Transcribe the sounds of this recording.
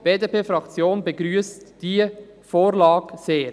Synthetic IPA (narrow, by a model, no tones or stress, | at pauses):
b̥eːdepʰeːfɾɑkt͡sjoːnbəɡɾyːəstd̥i | foːɾlɑːɡ̥seːɾ